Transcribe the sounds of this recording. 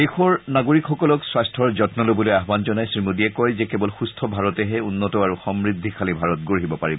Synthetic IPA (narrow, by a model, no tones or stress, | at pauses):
exɔɹnaɡoɹikxɔkɔlɔkswastʰɔɹzɔtnɔlobɔlojaɦbanzɔnajsɹimodiɛkɔjzɛkɛbɔlxustʰɔbʱaɹɔtɛɦɛunːɔtɔaɹuxɔmɹid̪ʱːikʰalibʱaɹɔtɡoɹɦibɔpaɹibɔ